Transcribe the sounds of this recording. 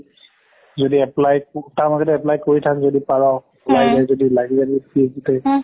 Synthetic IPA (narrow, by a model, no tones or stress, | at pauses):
zodiɛplajktamakɛtɛɛplajkoɹitʰakzodipaɹɔ | lazajzodilaɡizadpieɡitɛ